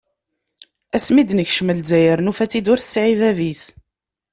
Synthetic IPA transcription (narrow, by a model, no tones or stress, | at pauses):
æsmid̪nəçʃməlzæjəɾnufæt͡sːid̪ʊɾθə̥sʕivævis